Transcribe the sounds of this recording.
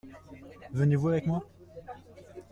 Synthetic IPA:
vənevuavɛkmwa

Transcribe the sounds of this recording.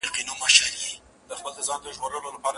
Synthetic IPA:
ɾqinomaʃalji | d̪əxpəld̪əzɑnd̪əʒɣoɾəlolapɑɾa

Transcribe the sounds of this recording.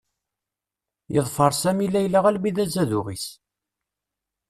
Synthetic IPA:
jəðˤfəɾˤsæmilæjlaʁælbiðæzæðʊʁis

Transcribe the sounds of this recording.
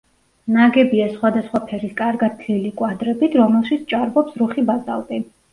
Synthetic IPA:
naɡɛbiasχwad̪asχwapʰɛɾiskʼaɾɡad̪̚ʰlilikʼwad̪ɾɛbit̪ʰɾɔmɛlˠʃit̪sʰt͡ʃʼaɾbɔpsɾuχibaza̰lˠd̪ʼi

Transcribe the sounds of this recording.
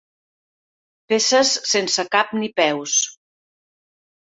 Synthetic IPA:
pesəsːensəkapnipɛws

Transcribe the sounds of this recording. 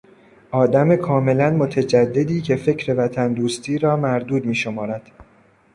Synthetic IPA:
ʔɒːd̪æme̞kʰɒːme̞lænmo̞t̪ʰæd͡ʒæd̪ːe̞d̪iːcʰe̞fe̞cʰɾe̞væt̪ʰænd̪uːst̪ʰiːɾɒːmæɾd̪uːd̪miːʃo̞mɒːɾæd̪̥

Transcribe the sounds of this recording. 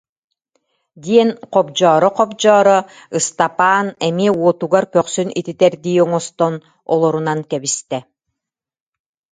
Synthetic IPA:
d̪iɛnqɔpd͡ʑɔːɾɔqɔp̚d͡ʑɔːɾɔ | ɯst̪apaːnɛmiuɔt̪uɡaɾkœqsynḭt̪it̪ɛɾd̪iːɔŋɔst̪ɔn | ɔlˠɔɾunaŋkɛβist̪ɛ

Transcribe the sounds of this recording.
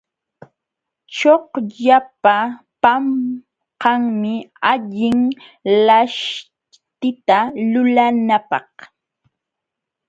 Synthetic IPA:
t͡ʃohʎapa | pam | qɑŋmɪaʎɪŋlaʃ | t̪ɪt̪alʊlanapɑh

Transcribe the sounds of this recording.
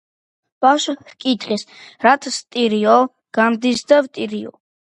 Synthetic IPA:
b̥aʃhkʼit̪ʰʼχisɾat̪ʰst̪ʼiɾiɔl | ɡ̥amd̪isd̪avt̪ʼiɾiɔ̰

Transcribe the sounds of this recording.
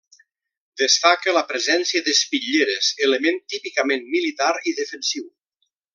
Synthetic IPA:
d̪əst̪akələpɾəzɛnsiəðəspiʎeɾezələment̪ipikəmenmilit̪aɾiðəfənsiw

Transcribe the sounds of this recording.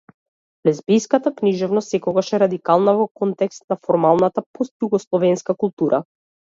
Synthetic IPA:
lɛzbijskat̪akniʒɛvnɔstsɛkɔɡaʃɛɾad̪ikalˠnavɔkɔnt̪ɛkst̪̚nafɔɾmalˠnat̪apɔst̪juɡɔslˠɔvɛnskakulˠt̪uɾʔa

